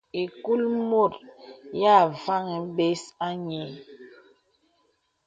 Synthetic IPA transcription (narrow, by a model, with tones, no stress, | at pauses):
i˨ku˦lmo˦˨ɾja˦˨va˦ŋɛ˨˦be˦sa˦ɲe˨˦